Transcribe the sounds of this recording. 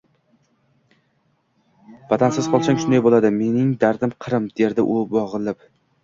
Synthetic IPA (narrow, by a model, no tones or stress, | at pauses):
vat̪ʰansɪz̥qʰɒlˠsaŋʃʊnd̪ajbolˠad̪ɪme̞nɪŋd̪aɾd̪ɪmqʰɨɾɪmd̪e̞ɾd̪ɪʔʊbɒʁɨlˠɪp